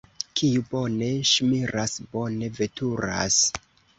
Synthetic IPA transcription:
kʰijubo̞ne̞ʃmiɾʔasbo̞ne̞ve̞tʰuɾa̰s

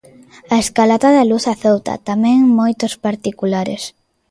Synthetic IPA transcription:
ɐeskalat̪aðaluθaθowt̪a̰t̪amɛ̃ŋmojt̪ospaɾt̪ikulaɾḛs

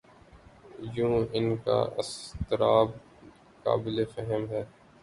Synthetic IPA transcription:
jũːɪnka̰ɪ̰st̪ɪɾaːb̚ | ka̰ːbɪlefɛɦɛmɦɛː

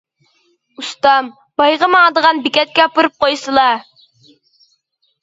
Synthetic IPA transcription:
ust̪ɑm | b̥ɑjʁəmɨɑd̪əʁɑnbɪkʲɛt̪̚kʲɛpuɾup̚qojsɨlˠɑ

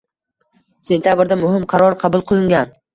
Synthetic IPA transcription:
se̞nt̪ʰʲjabɪɾd̪amʊhɪmqʰɑɾɒɾqʰɑbʊlˠqʰɨlˠɪŋɡʲan

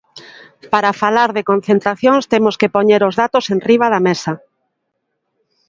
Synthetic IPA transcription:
paɾafalaɾðekõnθẽnt̪ɾaθjõŋst̪emoskepoɲeɾozðat̪osenriβ̞aðamesa

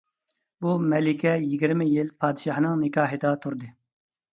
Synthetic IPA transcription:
bumɛlɪkʲʰɛjiɡʲiɾmɪjilpʰɑːd̪ɨʃɑhnɨŋnɪkʰɑːɦɪd̪ɑt̪ʰuɾd̪ɨ

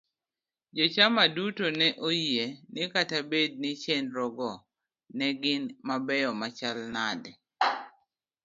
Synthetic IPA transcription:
d͡ʒɔt͡ʃamadutonɛʔojienɪkatabed̚nɪt͡ʃenɾɔɡɔ | nɛɡɪnmabɛjɔmat͡ʃalnadɛ

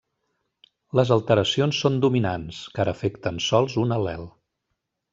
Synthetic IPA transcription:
ləzəlˠt̪əɾəsionsːond̪uminanskaɾəːfekt̪ənsɔlˠzunəlɛlˠ

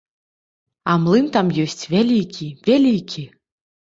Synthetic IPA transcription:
amlˠɨmt̪amjɔsʲt͡sʲvʲalʲikʲivʲalʲikʲi

